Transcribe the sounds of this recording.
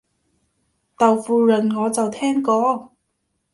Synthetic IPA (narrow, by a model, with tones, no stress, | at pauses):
t̪ɐ˨wfuː˧lɵ˨˩nŋɔː˨˧t͡sɐ˨wt̪ʰɛː˥ŋkɔː˧˥